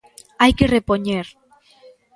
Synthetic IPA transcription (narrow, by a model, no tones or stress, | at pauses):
ajkerepoɲeɾ